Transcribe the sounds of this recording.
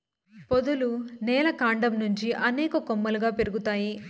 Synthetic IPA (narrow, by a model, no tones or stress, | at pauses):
pod̪ulunɛːlɐkaːɳɖɐmnuɲt͡ʃiʔɐnɛːkɐkomːɐluɡaːpeɾuɡut̪aːji